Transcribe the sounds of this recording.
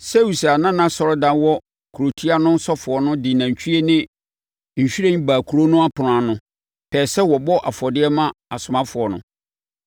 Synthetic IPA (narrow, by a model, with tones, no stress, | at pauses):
sɛ˦wu˨sa˨nã˦nã˦sɔ˨ɾɔ˦dã˦nwɔ˦ | kʰu˨ɾo˨tʰi˦a˦nʊ̃˦n̩˦sɔ˦fʊ˨ɔ˨nʊ̃˦dɪ˨nã˨ɲ̩˨t͡ɕᶣʰi˦e˦nɪ̃˦ | ɲ̩˨ɕᶣi˦ɾẽ˦baː˨kʰu˨ɾo˦nʊ̃˦a˦pʰʊ˨n˨ã˨nʊ̃˨˦ | pʰɛː˨sɛ˦wɔ˨bɔ˦ʔa˨fɔ˨dɪ˦ɛ˦mã˦a˨sʊ˨mã˦fʊ˨ɔ˨nʊ̰̃˦